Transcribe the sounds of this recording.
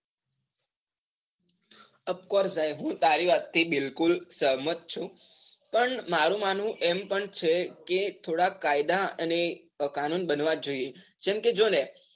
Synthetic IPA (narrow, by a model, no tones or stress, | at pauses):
əpkɔɾsbajɦũt̪aɾiʋat̪ʰːibilkulsəɦmət̪̚t͡ʃʰũ | pəɳmaɾũman̤ũʔempəɳt͡ʃʰeket̪ʰoɽakːajd̪aəne | kanunbənʋad͡ʒoied͡ʒɛmked͡ʒone